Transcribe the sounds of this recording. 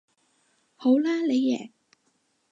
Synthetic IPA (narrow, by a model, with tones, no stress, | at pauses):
ho˨˥wlaː˥le˨˧jːɛ̰ː˨˩